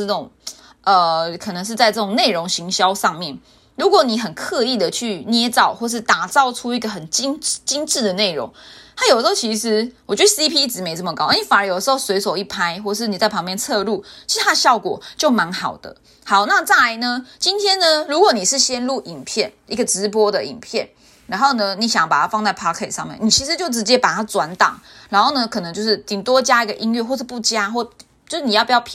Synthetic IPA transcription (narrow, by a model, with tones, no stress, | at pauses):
ʈ͡ʂo˨˩ŋ | ʔə˨kʰɤ˨˩nɤ˧˦ŋʂ̬̩˥˧t͡sa˥˧ɪt͡sɤ˥˩ʈ͡ʂʊ˨˩ŋne˥˩ɪɻo˧˦˥ŋɕi˧˥ŋɕjɑ˥ʊʂɑ˥˧ŋmjɛ˥˩n | ɻu˨˥kwɔ˧˦ni˨˩xə˨˩nkʰɤ˥˧i˥˩d̪ə˩t͡ɕʰy˥˩njɛ˥t͡sɑ˥˩˨ʊxwɔ˥˧ʂɻ̩˥˩t̪a˨˩t͡sɑ˥˩ʊʈ͡ʂʰu˥i˥˩ɡə˩xə˨˩nt͡ɕi˥ŋt͡ɕi˦˥nʈ͡ʂɻ̩˥˩d̪ə˩ne˥˩ɪɻo̰˧˥ŋt̪ʰa˥jo˨˩də˧xo˥˩t͡ɕʰi˧˥ʂɻ̩˧˦wɔ˨˩t͡ɕɥɛ˧˥də˥˧si˦˥pʰi˥i˥˩ʈ͡ʂɻ̩˧˥me˧˥ɪt͡sə˥˩mə˩kɑ˥ʊ˥nii˧˩fa˨˩nə˞˧˦˥jo˨˩d̪əʂ̩˧xo˥˩swe˧˥ɪso˨˩ʊi˥˩pʰa˦ɪxwɔ˥˨˩ʂɻ̩˥˩ni˨˩t͡sa˥˩ɪpʰɑ˧˥ŋmjɛ˥˧˨nt͡sʰɤ˥˧lu˥˩t͡ɕʰi˧˥˧a˥ə˧ɕjɑ˥˩ʊkwɔ̰˨˩t͡ɕjo˥˩ʊma˧˥nxɑ˨˩ʊd̪ə̰˦ | hɑ˨˩ʊna˥˧t͡sa˥˩la˧˥ɪnə˧t͡ɕi˦nt̪ʰjɛ˥nnə˧ɻu˧˥kwɔ˧˥˦ni˨˩ʂ̩˥˩ɕjɛ˦˥nlu˥˩ʔi˨˩ŋpʰjɛ˥˩nʔi˥˩ɡə˨˩ʈ͡ʂɻ̩˧˥pwɔ˥d̪ə˨ḭ˨˩ŋpʰjɛ˥˩n | ɻa˧˥nxo˥˩ʊnə˨ni˧˥ɕjŋɑ˥pa̰˨˩a˥fɑ˥˧ŋt͡sa˥ɪpʰɑ˥kʰe˥˨˩tʂɑ˥˧ŋmjɛ˥˩ni˨˩t͡ɕʰi˧˥ʂɻ̩˧˦t͡ɕjo˥˩ʊʈ͡ʂɻ̩˧˥t͡ɕjɛ˦˥pa˨˩t̪ʰa˥t͡swa˧˥nt̪ɑ̰˨˩ŋɻa˧˥nxo˥˩nə˧kʰɤ˨˩nɤ˧˦ŋt͡ɕjo˥˧ʊʂ̬ɻ̩˥˩t̪i˨˩ŋt̪wɔ˥˦t͡ɕja˥i˥˩ɡə˨ʔi˥nɥɛ˥˧xwɔ˥˩əʂ̩˥˧˩pu˥˩t͡ɕja˥xwɔ˥˩ | t͡ɕjo˥˧ʊʂɻ̩˥˩i˨˩˥pu˩jpʰ